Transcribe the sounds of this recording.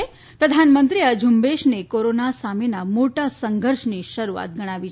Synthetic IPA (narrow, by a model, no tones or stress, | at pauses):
pɾəd̪ʱanmənt̪ɾiəd͡ʒʱumbeʃnekoɾonasamenamoʈasəŋɡʱəɾʃniʃəɾua̰t̪̚ɡəɽ̃aʋi